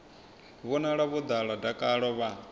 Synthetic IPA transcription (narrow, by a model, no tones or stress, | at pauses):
βunaɺaβud̪aɺadakʼaɺɔβa